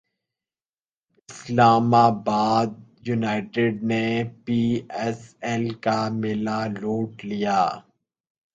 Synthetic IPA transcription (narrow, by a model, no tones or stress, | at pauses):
ɪslaːmabaːd̪̚junaːɪʈɪɖnepiːɛsɛlkamɪlaloːʈlijaː